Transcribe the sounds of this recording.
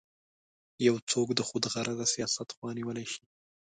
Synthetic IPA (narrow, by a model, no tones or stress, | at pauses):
jawt͡sokd̪əxod̪ɣaɾʔazasijɑsat̪xwɑniwəlajʃi̥